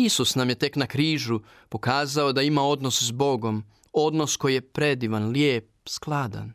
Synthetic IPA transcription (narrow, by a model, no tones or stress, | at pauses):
isusnamje̞t̪e̞knakɾiːʒu | po̞kaːzao̞d̪aimao̞d̪no̞szbo̞ɡo̞m | o̞d̪no̞sko̞jije̞pɾe̞d̪iʋanljeːp̚sklˠad̪a̰n